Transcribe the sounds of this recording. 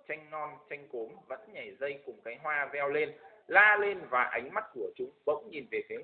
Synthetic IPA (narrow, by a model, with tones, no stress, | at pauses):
t͡ɕa˧jŋ̟nɔ˧nt͡ɕa˧jŋ̟ko˨˦mvə̰˧˥nɲa˨˩jzə˧jkʊ˨˩ŋ͡mkaː˨˦jɦwaː˧zɛ˧wle˧nlaː˧le˧nvaː˨˩ʔa˨˦jŋ̟ma˦˥t̚ku˧˩ət͡ɕʊ˨˦ŋ͡mɓə̰˧˥wŋ͡mɲi˨˩nve˨˩kaː˨˦